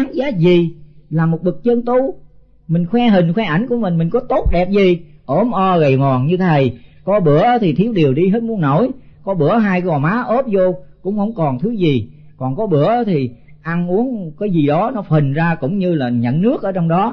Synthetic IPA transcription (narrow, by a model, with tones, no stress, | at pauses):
aː˨˦nzaː˨˦zi˨˩laː˨˩mo˨˩t̚ɓɨ˨˩k̚t͡ɕə˧nt̪u˧ | mï˨˩ŋ̟xwɛ˧ɦï˨˩ŋ̟xwɛ˧ʔa˧˩jŋ̟ku˧˩əmï˨˩ŋ̟mï˨˩ŋ̟kɔ˨˦t̪o˦˥t̚ɗɛ˨˩p̚zi˨˩ʔo˨˦mʔɔ˧ɣə˨˩jmɔ˨˩nɲɨ˧t̪ʰə˨˩jkɔ˨˦ɓɨ˧˩ə˨˦t̪ʰi˨˩t̪ʰi˨˦˥əwɗi˨˩əwɗi˧ɦe˦˥t̚mu˨˦ənːo˧˩˨jkɔ˨˦ɓɨ˧˩əɦaː˧jkɔ˨˩maː˨˦ʔo˦˥p̚zo˧kʊ̰˧˥ŋ͡mhə̰˧˩wŋ͡mkɔ˨˩nt̪ʰɨ˨˦zi˨˩ | kɔ˨˩nkɔ˨˦ɓɨ˧˩ə˨˦t̪ʰi˨˩ | ʔa˧nʔu˨˦ənkaː˨˦jzi˨˩ɗɔ˨˦nɔ˨˦fi˨˩ŋ̟zaː˧kʊ̰˧˥ŋ͡mɲɨ˧laː˨˩ɲə̰˧˨nːɨ˦˥ək̚ʔəː˧˦t͡ɕɔ˧wŋ͡mɗɔ˨˦